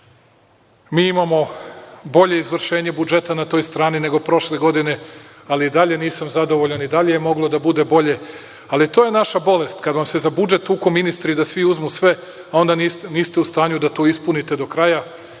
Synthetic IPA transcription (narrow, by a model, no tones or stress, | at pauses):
miːimamo̞bo̞ʎe̞izʋr̩ʃe̞ːɲe̞bud͡ʒe̞t̪anat̪o̞jst̪ɾaːnine̞ɡo̞pɾo̞ʃle̞ɡo̞d̪ine̞ | aliːd̪aʎe̞niːsamzad̪o̞ʋo̞ʎanid̪aʎe̞jemo̞ɡlˠo̞d̪abud̪e̞bo̞ʎe̞ | alit̪o̞ːje̞naʃabo̞le̞st̪kad̪ʋamse̞zabud͡ʒe̞t̪uko̞minist̪ɾid̪asʋiuzmusʋe̞ | ao̞nd̪aniniːst̪e̞ust̪aːɲud̪at̪o̞ːispunit̪e̞d̪o̞kɾaja